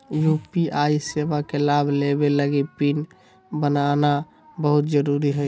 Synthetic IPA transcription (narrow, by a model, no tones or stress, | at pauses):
jupiʔaːiseʋakelabʱlebeləɡipin | bənana | bəɦʊt̪d͡ʒəɾuɾiɦəj